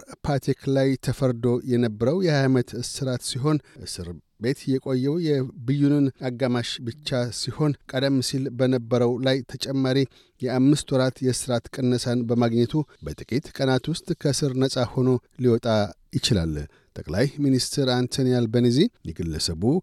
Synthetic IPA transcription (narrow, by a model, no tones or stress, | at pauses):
pʰat̪ʰikʰlajt̪ʰəfəɾd̪o̞jɛnəbːəɾəwjɛhajmət̪sɨɾat̪siɦo̞nʔɨsɨɾ | be̞t̪jɛkʼo̞jːɛwjɛbɨjːunɨnaɡːamaʃbɨt͡ʃːasiho̞nkʼəd̪əmːsilbənəbːəɾəwlajt̪ʰət͡ʃʼɛmːaɾi | jɛamːɨst̪ʰwɔɾat̪jɛsɨɾat̪kʼɨnːəsanbəmaɡɲɛt̪ʰubət̪ʼɨkʼit̪kʼənat̪wʊst̪ʼkʰəsɨɾnəsʼaho̞no̞liwɔt̪ʼajɪt͡ʃɪla̰lː | t̪ʼəkʼlajminist̪ʰɛɾant̪ʰonijalbənizijɛɡɨlːəsəβu